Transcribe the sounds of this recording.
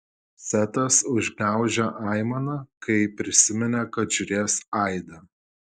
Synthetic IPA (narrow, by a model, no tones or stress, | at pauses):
sʲæt̪ɐsʊʒʲɡnʲæˑʊʒʲɛʔɑˑɪmɐnɐkɐɪpʲɾʲɪsʲɪmʲɛnʲɛkɐt̪ʒ̥ʲʊɾʲeːsɐɪd̪ɐ